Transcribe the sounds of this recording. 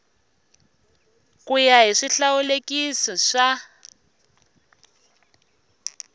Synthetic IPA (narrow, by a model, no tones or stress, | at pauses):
kujaɦiʂiɬawulekisɔʂa